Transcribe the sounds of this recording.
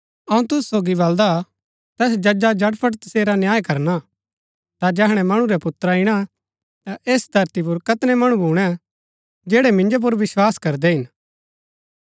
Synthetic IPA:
ɐũt̪ʊssoːɡiβɐld̪a | t̪ɛːs̬d͡ʒɐd͡ʒad͡ʒɐɽpʰəʈt̪ɐseːɾanjaːjkɐɾna | t̪ad͡ʒɛɦɽ̃ɛmɐɽ̃ũɾɛpʊt̪ːɾaɪɽ̃a | t̪aʔeːsd̪ʱɐɾt̪ip̬ʊɾkɐt̪nɛmɐɽ̃ũbʱuːɽ̃ɛ | d͡ʒɛːɽɛmɪ̃nd͡ʒop̬ʊɾʋɪswaːskɐɾd̪ɛɦɪn

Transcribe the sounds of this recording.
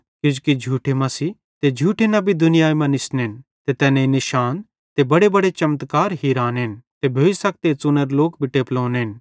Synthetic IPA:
kʊd͡ʒukid͡ʒʱuːʈʰemɐsi | t̪ed͡ʒʱuːʈʰenɐbʱid̪ʊnɪjaːimɐ̃nɪsnent̪et̪ɛːnẽinɪʃaːn | t̪ebɐɽebɐɽet͡ʃɐmt̪kaːɾɦiɾaːnɪnt̪ebʱeːisɐk̚t̪et͡sʊnəɾloːkbʱɪʈeplõːnɦɪn

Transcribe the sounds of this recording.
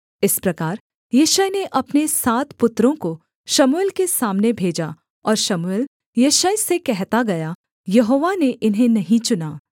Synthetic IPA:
ɪspɾɐkaːɾ | jeːʃəjneʔɐpnesaːt̪pʊt̪ɾõko | ʃɐmʊeːlkesaːmnebʱeːd͡ʒa | ɔːɾʃɐmueːl | jeːʃəjsekɛɦt̪aɡɐja | jɐɦoːʋaneʔɪnɦẽnɐɦĩt͡ʃʊnaː

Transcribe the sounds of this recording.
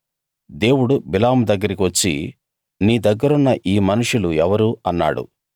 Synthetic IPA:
d̪e̞ːwuɽubilaːmd̪ɐɡːɐɾikiʋɐt͡ʃːḭ | niːd̪ɐɡːɐɾunːɐʔiːmɐnuʂuluɛʋɐɾuɐnːa̰ːɽṵ

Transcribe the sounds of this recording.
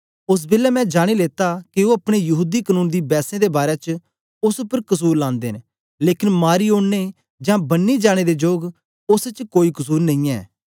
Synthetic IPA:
ʊs̬bɪːlɛmɛ̃ːd͡ʒaːɽ̃ileːt̪akioɐpɽ̃ejɐɦuːd̪ikənũːnd̪iːbɛːsẽd̪ebaːɾɛt͡ʃ | ʊspəɾkəsuːɾlãːnd̪eːn | leːkɪnmaːɾioːɽne | d͡ʒãːbɐnːid͡ʒaːɽ̃ed̪ed͡ʒoːɡ | ʊst͡ʃkoːikʊsuːɾnɐ̃ĩɛ̰ː

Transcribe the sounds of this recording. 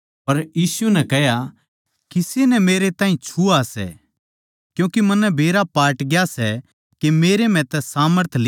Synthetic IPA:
pɐɾjiːsunɛkɛɦja | kɪsenɛmeːɾet̪aːĩt͡ʃʰuasɛ̰ | kjũːkemɐnːɛbʱeːɾapaːʈɡjasɛ | kemeːɾem̤ɛ̃t̪ɛsaːməɾt̪ʰl

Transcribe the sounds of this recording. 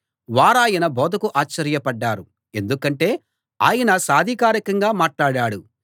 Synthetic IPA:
ʋaːɾaːjɐnɐbʱɔːd̪ɐkuʔaːt͡ʃːɐɾjɐpɐɖːaːɾu | e̞nd̪ukɐɳʈe̞ː | a̰ːjɐnɐsaːd̪ʱikaːɾikɐŋɡaːmaːʈlaːɽaːɽu

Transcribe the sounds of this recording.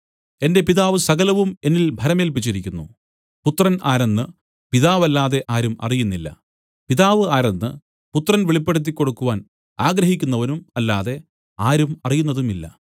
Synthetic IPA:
e̞nde̞piðaːʋɨsɐɣɐlɐʋume̞nːilbʱɐɾɐme̞ːlp̬it͡ɕːiɾikʲːunːu | put̪ːrɐnaːɾe̞nːɨ | piðaːʋɐlːaːðe̞ʔaːɾumɐ̰rijunːilːɐ̰ | piðaːʋɨaːɾenːɨ̰ | put̪ːrɐnʋiɭipːeɽut̪̬ːikʲːo̞ɽukːuʋaːn | aːɡɾɐɦikʲːunːɐʋɐnumɐlːaːðe̞ | aːɾumɐrijunːɐðumilːɐ̰

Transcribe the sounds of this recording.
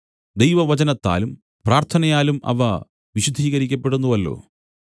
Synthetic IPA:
d̪ejʋɐʋɐt͡ɕɐnɐt̪ːa̰ːlum | praːrt̪ʰɐnɐjaːlumɐ̰ʋɐ | ʋiɕud̪ʱːiːɣɐɾikʲːɐpːe̞ɽunːuʋɐlːo̞̰ː

